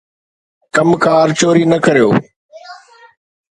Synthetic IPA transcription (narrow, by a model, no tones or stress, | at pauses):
kɐmkʰaːɾt͡ɕoːɾiːnɐkɐɾijo̰ː